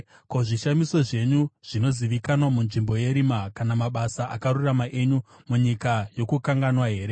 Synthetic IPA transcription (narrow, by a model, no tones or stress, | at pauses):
ko̞ʐiʃamiso̞ʐe̞ɲuʐ̥ino̞ziʋikanwamunʐimbo̞je̞ɾimakanamaɓasaʔakaɾuramaʔe̞ɲu | muɲikajo̞kukaŋɡanwaɦe̞ːɾe̞